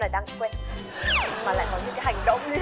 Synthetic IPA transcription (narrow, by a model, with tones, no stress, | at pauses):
laː˨˩ɗaː˧ŋ˧kwe˧˨ | maː˨˩la̰ː˧˨jkɔ˨˦ɲɨ˧˨kaː˨˦ɦa˨˩jŋ̟ɗə̰˧˨wŋ͡m